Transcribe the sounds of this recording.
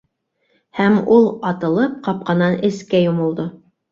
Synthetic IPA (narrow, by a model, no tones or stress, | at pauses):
hæmulˠɑt̪ɤ̆lˠɤp̚qɑp̚qɑnɑnɘ̆skæjumŏlˠd̪o